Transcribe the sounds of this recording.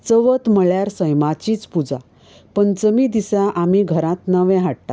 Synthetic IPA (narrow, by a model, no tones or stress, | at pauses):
t͡səʋət̪məɭjaɾsəjmat͡ɕiːt͡spud͡za | pəɳt͡səmiːd̪isãʔamiɡʱəɾãt̪nəʋɛ̃ɦaɽt̪a